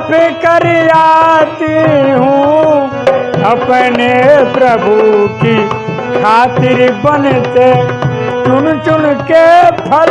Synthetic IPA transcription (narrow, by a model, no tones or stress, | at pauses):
pʰikɐɾijaːt̪iɦũ | ɐpnepɾəbʱuki | kʰaːt̪ɪɾibɐnt̪et͡ʃʊnt͡ʃʊnkepʰɐl